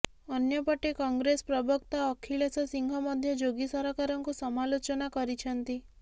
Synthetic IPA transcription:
ɔnjɔpɔʈekɔŋɡɾespɾɔbʱɔkt̪aɔkʰiɭesɔsiŋɡʱɔmɔd̪ʱjɔd͡ʒoɡisɔɾɔkaɾɔŋkusɔmalot͡ʃɔnakɔɾit͡ʃʰɔnt̪i

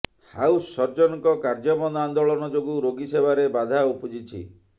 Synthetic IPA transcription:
ha̰usːɔɾd͡ʒɔnɔkɔkaɾd͡ʒɔbɔnd̪and̪oɭɔnɔd͡ʒoɡuɾoɡisebaɾebad̪ʱaupud͡ʒit͡ʃʰḭ

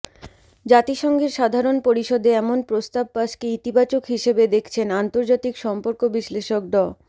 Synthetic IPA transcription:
d͡ʑat̪iʃɔŋɡeɾʃad̪ʱaɾonpoɾiʃod̪ʱeɛmonpɾost̪ab̚paʃkeit̪ibat͡ɕokɦiʃebed̪ekʰt͡ɕʰenant̪oɾd͡ʑat̪ikʃɔmpoɾkobiʃleʃok̚ɖɔ

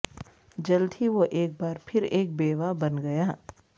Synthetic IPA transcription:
d͡ʒɐld̪ʰʱiʋoʔeːk̚baːɾpʰɪɾeːk̚beːʋabɐnɡɐjaː

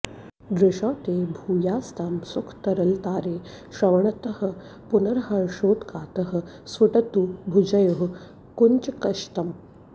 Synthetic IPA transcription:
d̪ɾɪʂɔːt̪eːbʱuːjaːst̪aːmsukʰt̪ɐɾɐlt̪aːɾeː | ɕɐʋɐɳɐt̪ɐhɐ̆ | punɐɾɦɐɾʂoːt̪kaːt̪ɐɦɐ̆ | sʋɐʈɐt̪ubʱud͡ʑɐjɐɦ | kunt͡ʃkɐʃt̪ɐm

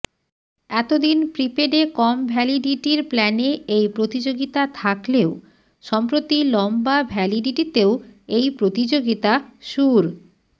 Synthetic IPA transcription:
ɛt̪od̪inpɾipeɖekɔmbʱɛliɖiʈiɾplɛneejpɾot̪id͡ʑoɡit̪at̪ʰakleo | ʃɔmpɾot̪ilɔmbabʱɛliɖiʈit̪eoejpɾot̪id͡ʑoɡit̪aʃuɾ

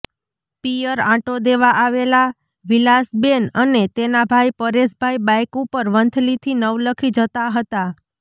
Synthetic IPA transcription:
pijəɾãʈod̪eʋaʔaʋela | ʋilasbenənet̪enabʱajpəɾesbʱajbajkupəɾʋənt̪ʰlit̪ʰinəʋləkʰid͡ʒət̪aɦət̪a

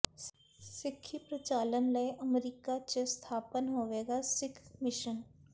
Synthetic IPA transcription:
sɪkʰːipɾɐt͡ʃaːlənleeʔəmɾiːkat͡ʃest̪ʰaːpənɦoːʋeːɡasɪkʰmɪʃən

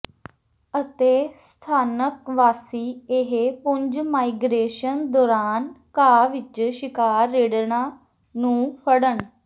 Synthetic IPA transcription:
ət̪eːst̪ʰaːnəkʋaːsiːɪɦepʊɲd͡ʒmaːiɡɾeːʃənd̪ɔːɾaːnkaːʋɪt͡ʃʃɪkaːɾːeːɽnaː | nũːpʰəɽəɳ

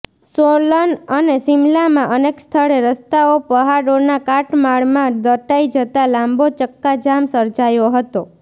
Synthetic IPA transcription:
solənənesimlamãʔənekst̪ʰəɭeɾəst̪aopəɦaɾonakaʈmaɭmãd̪əʈaid͡ʒət̪alãmbot͡ʃəkːad͡ʒamsəɾd͡ʒajoɦət̪o

